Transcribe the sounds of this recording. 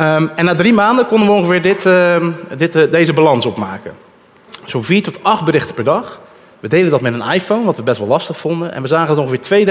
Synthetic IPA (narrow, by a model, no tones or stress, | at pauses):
əɛnːaːdrimaːndəkɔndənʋəõŋχəvɪːɹdɪt | dɪtdejzəbalɑnsɔpmaːkə̰ | soviːɹtɔtɑχt̚bəɾɪxtə̥pɛɹdɑχ | ʋədejləndɑtmɛtənajfownʋɑtʋəbɛstʋɑlˠlɑstəχfɔndənʔɛ̰nʋəzaːχənətõŋχəvɪːɹtʋej